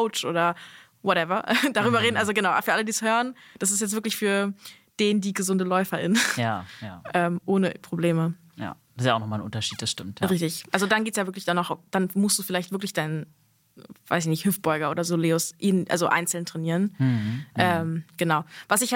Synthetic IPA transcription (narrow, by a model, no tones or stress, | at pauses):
ʊt͡ʃʔo̰ːɾɐ | vɔtɛvɐʔɛd̥aʁ̞yːbɐʁeːdn̩ʔalzoɡənaʊʔfyːɐalədiːshøːʁənd̥as̬ɪstjɛt͡stvɪɐklɪçfyːɐ | d̥eːndiːɡəzʊndəlɔʏfɐʔɪ̰njajaʔɛːmʔoːnəpʁ̥obleːmə | ja̰̥ | sjaʊxnɔχmalnʔʊ̰ntɐʃiːt̚d̥asʃtɪmtjʁɪçtɪçʔalzodanɡeːtsjaːvɪɐklɪçd̥aːnɔχd̥anmʊstd̥uːfɪlaɪçtvɪɐklɪçd̥aɪnən | v̥a̰ɪs̬ɪçnɪçhɪft̚b̥ɔʏɡɐʔoːdɐzoːleːʊsʔiːnʔa̰lzoʔa̰ɪnt͡sl̩ntʁ̥ɛniːʁənʔʔɛːmɡ̥ənaʊvasɪçha